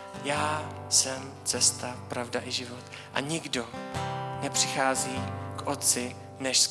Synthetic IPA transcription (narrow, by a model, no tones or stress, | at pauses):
jaːsɛm | t͡sɛst̪apɾavdaʔɪʒɪvot̪ | ʔa̰ɲɪɡdo̞nɛpr̝̥ɪxaːziːkʔot̪̚t͡sɪ | nɛʃs